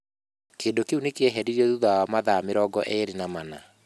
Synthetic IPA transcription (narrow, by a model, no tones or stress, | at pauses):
keːndokeunekeɛɦɛdiɾiɔðuðawamaðameɾɔɡɔʔeɾinamana